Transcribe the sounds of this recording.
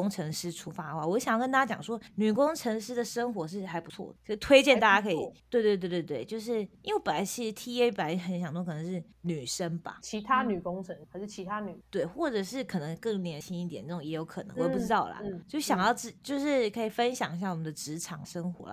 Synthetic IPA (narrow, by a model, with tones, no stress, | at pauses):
ʊ˥ŋʈ͡ʂʰɤ˧˥ŋʂɻ̩˥ʈ͡ʂʰu˥fa˥dxwa̰˥˩wɔ˨˧˥ɕŋjɑ˥˩ə˥nt̪a˥ja˥t͡ɕjɑ̰˨˩ŋʂwɔ˥ny˨˩kʊ˥ŋʈ͡ʂʰə˧˥ŋʂɻ̩˥d̪ə˨ʂə˥ŋxwɔ˧˥ʂ̬ɻ̩˥˩xa˧˥ɪpu˧˦t͡sʰwɔ̰˥˩d̪əkʰə˧˥˧t̪ʰwe˥ɪt͡ɕjɛ˥˧nt̪a˥˩t͡ɕa˥kʰə˧˥ḭ˨˩t̪we˥˧ɪt̪we˥˧t̪̬t̪we˥˧t̪we˥˩ɪt͡ɕjo˥˧ʊʂɻ̩˥˩i˥wpə˨˩la˧˥ɪt͡ɕʰi˧˥ʂɻ̩˧˥t̪ʰi˧˥e˥pə˨˩nlxə˧˥nɕjɑ˨˩ŋt̪ɔ˥kɤ˨˩˧ŋʂɻ̩˥˩ | ny˨˩ʂə˥ŋba̰˨˩t͡ɕʰi˧˥t̪ʰa˥ny˨˩kʊ˥ŋʈ͡ʂʰə˧˦ŋxa˧˥ɪʂɻ̩˥˩t͡ɕʰi˧˥t̪ʰa˥ny˨˩t̪we˥˩ɪxwɔ˥˩ʈ͡ʂɤ˨˩ʂɻ̩˥˩kʰɤ˨˩nə˧˦ŋkɤ˥˩ŋljɛ˧˥nt͡ɕʰi˥ni˥˩t̪jɛ˨˩nə˥˩ʈ͡ʂʊo˨˩ŋjɛ˧˥jo˧˥ʊkʰɤ˨˩nə̰˧˦ŋwpu˥ʈ͡ʂɻ̩˥t̪ɑ˥˩ʊlə̰˨˩t͡ɕjo˥˧˩ɕjɑ˨˩ŋjɑ˥˧ʊʈ͡ʂɻ̩˥˩t͡ɕjo˥˧ʊʂɻ̩˥˩kʰə˧˥i˨˩fə˦nɕjɑ˨˩ŋɕ̬ja˥˩wɔ˨˩mə˨nd̪ə˧ʈ͡ʂɻ̩˧˥ʈ͡ʂʰɑ˨˩ŋʂə˥ŋxwɔ̰˧˥lə̰˦